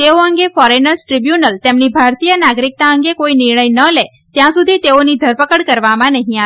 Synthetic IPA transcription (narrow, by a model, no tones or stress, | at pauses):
t̪eoəŋɡefɔɾenəɾsʈɾibjunəlt̪emnibʱaɾt̪ijənaɡɾik̚t̪aəŋɡekoinɪɾɳ̃əjnəle | t̪jãsud̪ʱit̪eonid̪ʱəɾpəkəɽkəɾʋamãnəɦĩa